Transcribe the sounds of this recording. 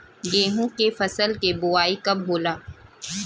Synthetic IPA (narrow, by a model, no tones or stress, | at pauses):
ɡeːɦũkefɐsəlkebʊaːikɐbɦoːlaː